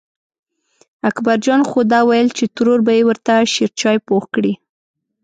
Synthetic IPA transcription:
akbaɾd͡ʒɑnxod̪ɑwajəlt͡ʃet̪ʊɾoɾbajewəɾt̪aʃeɾt͡ʃɑjpoxkɽi

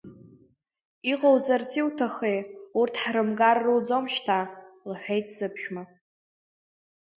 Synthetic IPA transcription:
iqʼowd͡zart͡sʰiutʰaχejurtʰħrɨmɡarːɨd͡zomʃtʰalħʷᶣejtʰz̥ɨpʰʃᶣma

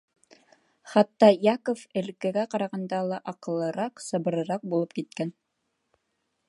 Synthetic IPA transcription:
χɑt̪ːɑjɑkofɘ̆lkæ̆ɡæqɑɾɑʁɑnd̪ɑlˠɑʔɑqɤ̆lˠːɤ̆ɾɑqsɤ̆βɤ̆ɾɤ̆ɾɑq̚bulˠɤp̚kit̪̚kæn

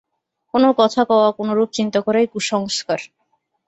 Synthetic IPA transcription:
konokɔt̪ʰakɔoakonoɾup̚t͡ɕint̪okɔɾejkuʃɔŋskaɾ

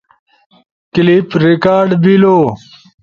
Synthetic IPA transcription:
klipɾikaːɾɖbilo

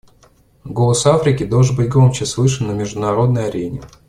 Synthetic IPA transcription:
ɡo̞lˠəsafɾʲɪkʲɪd̪oʐɨnbɨt̚ʲɡɾomt͡ɕɪsvˠɨʂɨnːəmʲɪʐd̪ʊnɐɾo̞d̪̚nəjɐɾʲenʲɪ̰

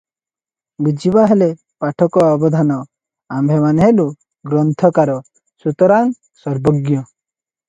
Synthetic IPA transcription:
bid͡ʒibaɦele | paʈʰɔkɔɔbɔd̪ʱanɔ | ambʱemaneɦelu | ɡɾɔnt̪ʰɔkaɾɔ | sut̪ɔɾan | sɔɾbɔɡjɔ

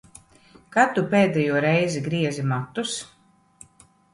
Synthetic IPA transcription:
kat̪upʲeːd̪ɛjuɔɾɛjziɡɾiɛzimat̪ːus

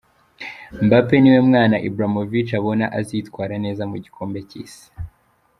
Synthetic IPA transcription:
mbape̞niwe̞mŋaːnaʔibɾamovit͡ʃaβo̞naʔazitkwaːɾane̞ːzamuɟikʰo̞ːmbe̞cḭːsi̥

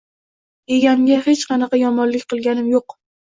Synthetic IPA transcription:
e̞ɡʲaŋɡʲahe̞t͡ʃqʰɑnɑqʰɑjɒmɒnlɪkʲqʰɨlˠɡʲanɪmjoq

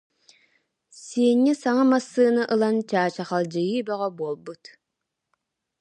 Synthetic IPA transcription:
siɛnːisaŋamasːɯːnɯʔɯlˠant͡ɕaːt͡ɕaχalˠd͡ʒɯjɯːbɛʁɛbuɔlˠbut̪

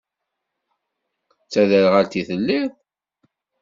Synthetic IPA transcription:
t͡sːæðəɾʁalt̪iθəlːið

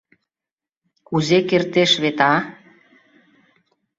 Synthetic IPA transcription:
kuzekert̪eʃβet̪ɑ

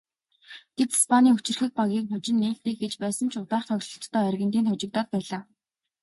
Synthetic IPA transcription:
ɡ̥et̪i̥spʰaniːŋɵt͡ɕɪ̆rxɘ̆k̚paɣiːk̚χʊt͡ɕɪ̆nːeːɬt̪iːk̚xɡet͡ɕpæːsə̆nt͡ɕʰʊt̪aːχt̪ʰœɣɮɞ̆ɬt̪ːœːærɣɘ̆nt̪iːnʰɔt͡ɕɪ̆kt̪ɔːt̪̚pæːɮaː

